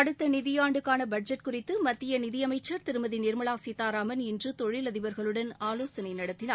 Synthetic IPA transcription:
ɐɽɯt̪ːɐnɪðɪjaːɳɖɯkːaːnɐbɐɖ̚d͡ʒɐʈkʊrɪt̪ːɯmɐt̪ːɪjɐnɪðɪjɐmɐɪt͡ʃːɐɾt̪ɪɾɯmɐðinɪɾmɐɭaːsiːt̪ːaːɾaːmɐnɪndrɯt̪ɔɻɪlɐðɪʋɐɾɣɐɭɯɽɐnaːloːsɐnɐɪnɐɽɐt̪ːɪnaː

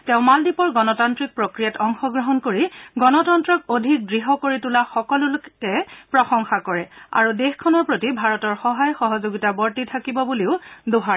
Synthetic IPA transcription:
tɛʊ̃maldipɔɹɡɔnɔtantɹik̚pɹokɹijatɔŋxɔɡɹɔɦɔnkoɹiɡɔnɔtɔntɹɔkodʱik̚dɹiɦɔkoɹitulaxɔkɔlʊlʊkɛpɹɔxɔŋxakɔɹɛa̰ɹudexkʰɔnɔɹpɹotibʱaɹɔtɔɹxɔɦajxɔɦɔzoɡitabɔɹtitʰakibɔbuliʊdoɦa

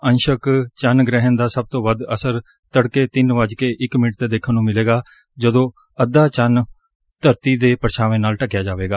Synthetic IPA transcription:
ənʃəkt͡ʃənɡɾɛɦənd̪aːsəb̚t̪õːʋəd̪əsəɾ | t̪əɽkeːt̪ɪnʋad͡ʒkeːʔɪkmɪnʈ̚t̪eːd̪eːkʰənũːmɪleːɡaː | d͡ʒəd̪õː | əd̪aːt͡ʃən | t̪əɾt̪iːd̪eːpəɾʃʰaːʋẽːnaːlʈəkjaːd͡ʒaːʋeːɡaː

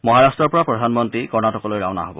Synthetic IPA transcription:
mɔɦaɹastɹɔɹpɔɹapɹɔdʱanmɔntɹikɔɹnatɔkɔlojɹa̰wna̰ɦobɔ

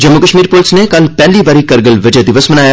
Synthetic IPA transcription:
d͡ʒɐmːukəʃmiːɾpolɪsnekɐlpɛɦlibaːɾikɐɾɡəlʋɪd͡ʒəd̪ɪʋəsmɐnaːja

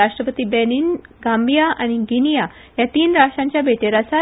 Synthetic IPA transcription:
aʂʈɾəpət̪iːbɛniːnɡãmbʱijaʔañiɡinija | jat̪iːnɾaʂʈɾãɲt͡ɕjabʱeʈeɾasa

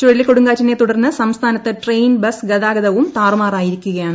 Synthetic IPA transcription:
t͡ɕoɻilːekoɽuŋɡaːt͡ɕːɐnːet̪uɽɐrnːɨsɐmst̪ʰaːnɐt̪ːɨʈrejnbɐsɡɐd̪aːɡɐðɐʋumt̪aːrumaːraːjiɾikʲːuɣɐjaːn

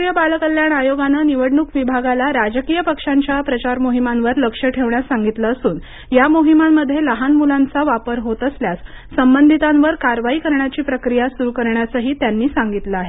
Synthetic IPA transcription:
jəbalkəljanajoɡananiʋəɽɳukʋibʱaɡalaɾad͡ʑkiːjəpəkʂaɲt͡ɕjapɾət͡ɕaɾmoɦimanʋəɾləkʂəʈʰeʋɳjasaŋɡit̪ləːsuːn | jamoɦimamːəd̪ʱjeləɦanmulant͡saʋapəɾɦot̪əsljat͡sː | əmbənd̪ʱit̪ãnʋəɾkaɾʋaikəɾɳjat͡ɕiːpɾəkɾijasuɾukəɾɳjat͡səɦiːt̪janːiːsaŋɡit̪ləaɦe

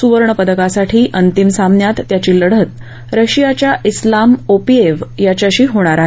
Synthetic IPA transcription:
suʋəɾɳəpəd̪əkasaʈʰiːʔənt̪imsamɳjat̪ːjat͡ɕiːləɽ̤ət̪̚ | ɾəɕijat͡ɕjaʔislamopieʋjat͡ɕjaɕiːɦoɽ̃aɾaɦe

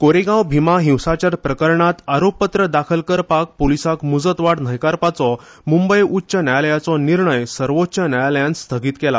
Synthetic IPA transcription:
koɾeɡãwbʱimaɦĩwsat͡ɕaɾpɾəkəɾɳat̪aɾoppːət̪ɾəd̪akʰəlkəɾpak̚polisakmud͡zət̪ʋaɽn̤əjkaɾpat͡sɔ | mumbəjutːɕənajaljat͡sɔniɾɳəjsəɾʋotːt͡ɕənajaljãnst̪ʰəɡiːt̪kɛla

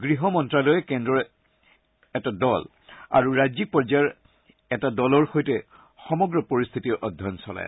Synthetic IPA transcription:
ɡɹiɦɔmɔntɹalɔjɛkɛndɔɹ | ɛtadɔl | a̰ɹuɹajzik̚pɔɹzaaɹ | ɛtadɔlɔɹxojtɛ | xɔmɔɡɹɔpoɹist̪ʰitiɹʔɔdʱjɔnsɔla̰j

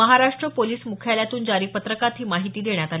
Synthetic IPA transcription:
əɦaɾaʂʈɾəpoliːsmukʰjaljat̪uːnd͡zaɾiːpət̪ɾəkat̪ʰiːmaɦit̪iːd̪eɳjat̪al

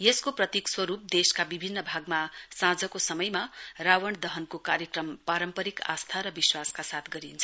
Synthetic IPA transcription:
jeskoprʌt̪ikswʌɾup̚d̪eskabibʱinːʌbʱaɡmasãd͡zʌkosʌmʌjmarawʌɳd̪ʌɦʌnkokaɾjʌkrʌmpaɾʌmpʌɾika̰st̪ʰaɾʌbiswaskasat̪̚ʰɡʌɾint͡sʰʌ

